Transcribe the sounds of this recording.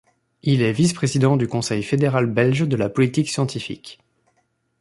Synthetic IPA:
ilɛvispχezid̪ɑ̃d̪ykɔ̃sɛjfed̪eʁalbɛlʒd̪əlapɔlit̪iksjɑ̃t̪ifḭkʲ

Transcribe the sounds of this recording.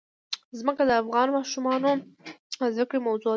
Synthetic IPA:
zməkad̪əafɣɑnmɑʃumɑno | zakɽemawzoɑ

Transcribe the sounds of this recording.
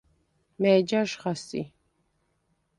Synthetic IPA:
mɛːd͡ʒaʃχasḭ

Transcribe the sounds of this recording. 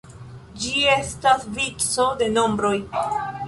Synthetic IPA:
d͡ʒie̞stasvit͡so̞de̞no̞mbɾo̞j

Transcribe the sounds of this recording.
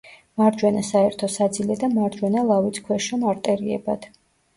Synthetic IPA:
maɾd͡ʒwɛnasaɛɾt̪ʰɔsad̪zilɛd̪amaɾd͡ʒwɛnalˠavit̪sʰkʰwɛʃɔmaɾt̪ʼɛɾiɛ̰bad̪̥

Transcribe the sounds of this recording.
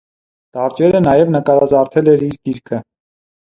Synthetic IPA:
t̪ɑɾt͡ʃɛɾənɑjɛvnəkɑɾɑzɑɾt̪ʰɛlɛɾiɾkiɾkʰə

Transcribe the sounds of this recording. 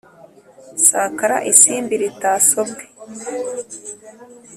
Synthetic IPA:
saːkaɾa̰ʔisiːmbiɾitaːsobɡe

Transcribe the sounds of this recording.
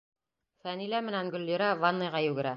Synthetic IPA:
fænilæmɘ̆nænɡɵ̆lːĭɾɑvanːɤ̆jʁɑjʉɡɘ̆ɾæ

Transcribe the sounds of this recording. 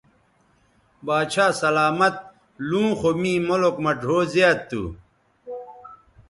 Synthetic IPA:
baːt͡ɕʰaːsɐlaːmɐt̪̚ | lũːxomĩːmolokmɐʈoːzjaːt̪ːṵ

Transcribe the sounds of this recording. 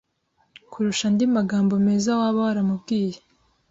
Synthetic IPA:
kʰuɾuʃandimaɡaːmbome̞ːzawaːβawaɾamubɡiːje

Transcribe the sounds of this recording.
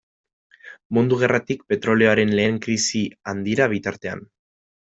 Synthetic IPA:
mund̪uɣ̞e̞rat̪ikpe̞t̪ɾo̞le̞o̞aɾe̞nle̞ːŋkɾisiand̪iɾaβ̞it̪aɾt̪e̞a̰n

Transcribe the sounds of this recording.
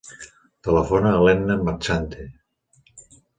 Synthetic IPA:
t̪ələfonaːlɛnnəmaɾt͡ʃant̪e

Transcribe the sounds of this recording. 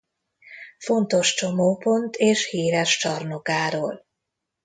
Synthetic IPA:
fo̞nt̪o̞ʃt͡ʃo̞moːpo̞nt̪ʰeːʃhiːɾɛʃt͡ʃɒrno̞kaːɾoːl

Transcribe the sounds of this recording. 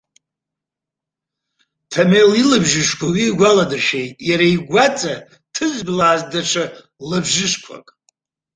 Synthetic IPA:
tʰamelilɨbʒɪʂkʷʰawiːɡʷaladɨrʃe̞jtʼjaɾaiɡʷat͡sʼa | tʰɨzʷblaːzdaʈ͡ʂʰa | lɨbʒɪʂkʷʰa̰kʼ

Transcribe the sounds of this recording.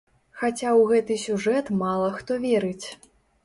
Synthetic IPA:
xat͡sʲawɣɛt̪ɨsʲuʐɛt̪malˠɐxt̪ɔvʲɛɾɨt͡sʲ

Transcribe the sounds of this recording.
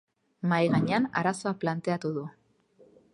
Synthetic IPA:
majɣaɲe̞ana̰ɾaso̞aplant̪e̞at̪uðu

